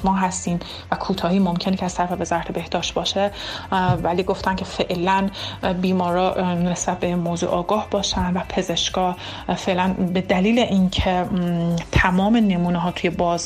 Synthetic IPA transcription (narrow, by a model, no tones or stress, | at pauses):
mɒːɦæst̪iːm | vækʰuːt̪ʰɒːhiːmo̞mcʰe̞necʰæz̥t̪ʰæɾfevezɒɾt̪ʰebe̞hd̪ɒːʃt̪̚bɒːʃe | væliːɡo̞ft̪æncʰe̞fe̞ʔlænbiːmɒːɾɒːnesb̥æt̪̚bemoːzṵʔɒːɡɒːhbɒːʃænd̪væpʰe̞ze̞ʃɡɒːh | fe̞ʔlænbe̞d̪æliːleʔincʰe̞ | t̪ʰæmɒːme̞ne̞muːneɦɒːt̪ʰuje̞bɒːz